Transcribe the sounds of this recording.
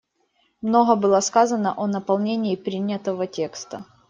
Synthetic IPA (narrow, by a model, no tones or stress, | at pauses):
mno̞ɣəbɨlˠəskazənəʔonəpɐlˠnʲenʲɪːpɾʲinʲːət̪əvətʲe̞kst̪ə